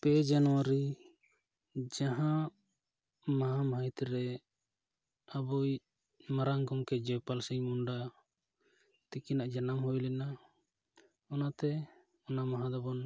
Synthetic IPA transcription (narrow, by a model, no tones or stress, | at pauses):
pɛd͡ʒanɔwaɾi | d͡ʒaɦã | maɦamajt̪ɾɛ | abɔj | maɾaŋɡɔmkɛd͡ʒɛpalsiɲmunɖa | t̪ikinaʔd͡ʒanamɦɔwɛlɛna | ɔnat̪ɛ | ɔnamaɦãd̪ɔbɔn